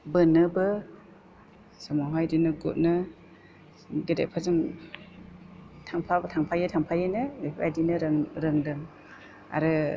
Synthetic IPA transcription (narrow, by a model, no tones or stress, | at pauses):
bɯnɯbɯ | samaɦajdinɯɡṵt̚nɯ | ɡeda̰jpʰazɯŋ | tʰaŋpʰabɯtʰaŋpʰajɯtʰaŋpʰajɯnɯipʰajdinɯɾŋɾɯŋdɯŋ | a̰ɾɯ